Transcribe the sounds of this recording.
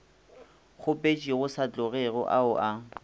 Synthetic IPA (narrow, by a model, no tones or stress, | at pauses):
χʊpʼet͡ʃʼiɣʊsat͡ɬʼʊɣɛɣʊ̰ʔaʊʔa